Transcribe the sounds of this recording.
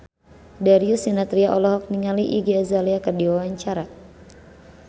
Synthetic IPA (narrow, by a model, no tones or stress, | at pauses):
daɾiusinat̪ɾiaʔɔlɔɦɔk̚niŋaliʔiɡazaliakərdiwawaɲt͡ʃaɾa